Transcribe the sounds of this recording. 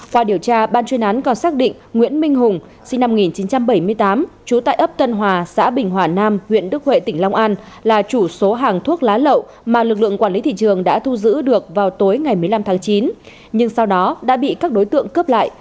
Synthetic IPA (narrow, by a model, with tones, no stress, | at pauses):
kwaː˧ɗi˧˩əwt͡ɕaː˧ɓaː˧nt͡ɕwi˧nʔa˨˦nkɔ˨˩nsaː˦˥k̚ɗḭ̈˧˨ŋ̟ŋwḭ˧˥ənmï˧ŋ̟ɦʊ˨˩ŋ͡m | si˧ŋ̟na˧m˨˩ŋi˨˩nt͡ɕi˨˦nt͡ɕa˧mɓə˧˩jmɨ˧əjt̪aː˨˦mt͡ɕu˨˦t̪a̰ː˧˨jʔə˦˥p̚t̪ə˧nɦwaː˨˩sa̰ː˧˥ɓï˨˩ŋ̟ɦwaː˨˩naː˧mhwḭ˧˨ənɗɨ˦˥ək̚hwḛ˧˨t̪ï˧˩ŋ̟la˧wŋ͡mʔaː˧n | laː˨˩t͡ɕu˧˩so˨˦ɦaː˨˩ŋt̪ʰu˦˥ək̚laː˨˦lə̰˧˨w | maː˨˩lɨ˨˩k̚lɨ̰˧˨əkwaː˧˩nli˨˦t̪ʰḭ˧˨t͡ɕɨ˨˩əŋɗa̰ː˧˥t̪ʰu˧zɨ̰˧˥ɗɨ˨˩ək̚vaː˨˩wt̪o˨˦jŋa˨˩jmɨ˨˩əjla˧mt̪ʰaː˨˦ŋt͡ɕi˨˦n | ɲɨ˧ŋsa˧wɗɔ˨˦ɗa̰ː˧˥ɓḭ˧˨kaː˦˥k̚ɗo˨˦jt̪ɨ̰˧˨əŋkə˦˥p̚la̰ː˧˨jʔ